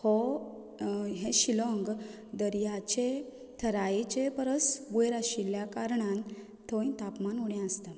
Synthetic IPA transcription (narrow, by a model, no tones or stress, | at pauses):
hɔ | ɦẽɕilɔ̃ŋɡ | d̪əɾjat͡ɕe | t̪ʰəɾait͡ɕepəɾəsʋujɾaɕiljakaɾɳãn | t̪ʰoj̃t̪apmanuɽjãəst̪a